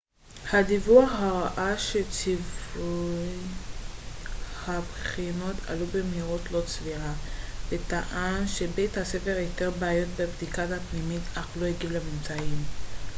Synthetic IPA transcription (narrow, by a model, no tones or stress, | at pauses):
had̪ivuaχhaʁaʔaʃet͡sivu | habχino̞tʰa̰lubemɦiʁo̞tlo̞t͡sviʁabet̪aʔanʃe̞bejthase̞feʁjot̪e̞ʁbaːjo̞t̚bebd̪ikatapnimitaχlo̞eɡivlemimt͡saim